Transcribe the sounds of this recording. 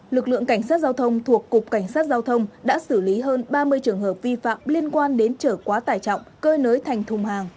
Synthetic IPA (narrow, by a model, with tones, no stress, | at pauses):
lɨ˨˩k̚lɨ̰˧˨əŋka˧˩ŋsaː˦˥t̚zaː˧wt̪ʰə˧wŋ͡mt̪ʰu˨˩əkːʊ˨˩k͡p̚ka˧˩ŋ̟saː˦˥t̚zaː˧wt̪ʰə˧wŋ͡mɗa̰ː˧˥sɨ˧˩li˨˦ɦəː˧nɓaː˧mɨ˧əjt͡ɕɨ˨˩əŋɦəː˨˩p̚vi˧fa̰ː˧˨mli˧ənkwaː˧nɗe˨˦nt͡ɕəː˧˩kwaː˨˦t̪aː˨˩jt͡ɕɔ̰˧˨wŋ͡mkəː˧jnəː˨˦jt̪ʰa˨˩jŋ̟t̪ʰʊ˨˩ŋ͡mhaː˨˩ŋ